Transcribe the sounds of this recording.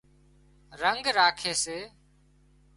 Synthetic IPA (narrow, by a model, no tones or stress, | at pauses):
ɾəŋɡɾaːkʰeːseː